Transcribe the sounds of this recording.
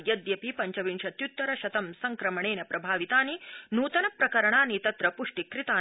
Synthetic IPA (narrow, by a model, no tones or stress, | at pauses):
jɐd̪jɐpipɐɲt͡ʃɐʋinʃɐt̪jut̪ːɐɾɐʃɐt̪ɐmsɐŋkɾɐmɐɳeːnɐpɾɐbʱaːʋit̪aːninuːt̪ɐnɐpɾɐkɐɾɐɳaːnit̪ɐt̪ɾɐpuʂʈikɾit̪aː